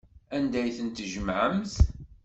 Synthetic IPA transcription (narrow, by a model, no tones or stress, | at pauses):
ænd̪æjθənt̪ʒəmʕəmθ